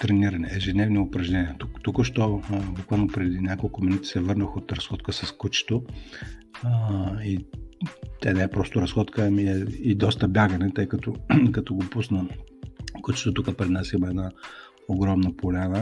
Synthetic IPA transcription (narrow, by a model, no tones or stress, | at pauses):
t̪ɾɛniɾɐnɛɛʒɛd̪nɛvniopɾɐʒnɛniɛt̪ukt̪ukəʃt̪ɔbukvalˠnopɾɛd̪inʲakolˠkʊminut̪i̥sɛvɤɾnəxot̪ɾɐsxɔt̪kəsɐskut͡ʃɛ̥t̪o | i | t̪ɛnɛɛpɾɔst̪ʊɾɐsxɔt̪kʰəmiɛid̪ɔst̪əbʲjaɡɐnɛt̪ɤjkɐt̪ɔkɐt̪ɔɡopusnə | kut͡ʃɛ̥t̪ot̪ukəpɾɛd̪nasixmɛɛd̪na | oɡɾɔmnəpolʲanə